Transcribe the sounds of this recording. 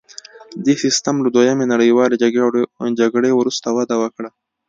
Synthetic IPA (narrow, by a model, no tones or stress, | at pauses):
d̪esist̪amlad̪wojamenaɽəjwɑleed͡ʒaɡɽewɾust̪awad̪awəkɽa